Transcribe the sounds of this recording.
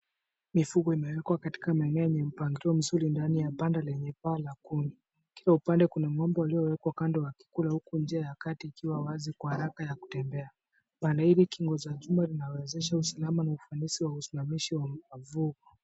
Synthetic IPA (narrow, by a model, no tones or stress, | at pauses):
mifuɡɔimɛwɛkwakati̥kamaɛnɛɛɲɛm̩paŋɡiɾɔm̩zuɾindanijapandalɛɲɛpaːlakundi | kilaupandɛkunamwɔmbɔaliɔwɛkwakandɔwaki̥kulahukund͡ʒiajakatiːkiwawazikwahaɾakajaku̥tɛmbɛa | pandahiɾikiŋɡɔzaʄumalinawɛzɛʃausalamanaufanisiwausimamiʃiwaavuɡɔ